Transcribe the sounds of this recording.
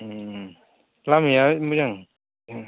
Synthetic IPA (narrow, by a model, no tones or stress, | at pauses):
lamijamujaŋ